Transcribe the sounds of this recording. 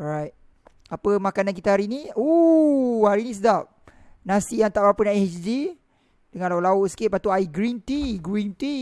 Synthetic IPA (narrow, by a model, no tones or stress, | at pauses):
ɔɾajt̚ | apəmakanank̬it̪aɦaɾinio | haɾinĩs̬ədap̚ | nasijaŋt̪aʔbapənaet͡ʃdi | dəŋãnlaʊʔlaʊʔsə̥kiʔ̚pat̪uaiɡɾint̪iɡɾint̪i